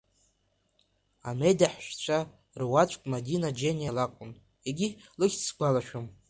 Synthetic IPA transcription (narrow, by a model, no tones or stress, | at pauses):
a̰mejdaħʃᶣt͡ɕʷʰa | rwat͡ʃʷʼkʼmadinad͡ʒenjalakʷʼʊn | eɡʲilɨχʲt͡sʰɡʷalaʃᶣom